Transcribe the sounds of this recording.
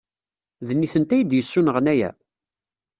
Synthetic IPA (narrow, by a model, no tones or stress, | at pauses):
ðənːiθənt̪æjəd̪jəsːunəʁnæjæ̰